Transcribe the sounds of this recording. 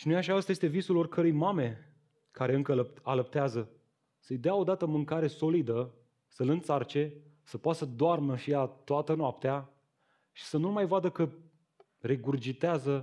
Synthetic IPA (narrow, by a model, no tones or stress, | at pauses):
ʃinujaʃaəst̪je̞st̪evisulo̞rkʰəɾujmame̞ | kaɾe̞ɨŋkələaləp̚t̪eazə | səjd̪eao̞d̪at̪əmɨŋkaɾe̞so̞lid̪ə | səlɨnt̪sart͡ʃe̞ | səpoat̪səd̪oarnəʃijat̪oat̪ənoap̚t̪ea | ʃi̥sənulmajvad̪əkə | ɾe̞ɡurd͡ʒit̪eazə